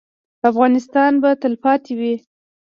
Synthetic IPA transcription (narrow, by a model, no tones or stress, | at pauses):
afɣɑnɪst̪ɑnbat̪əlpɑt̪ewi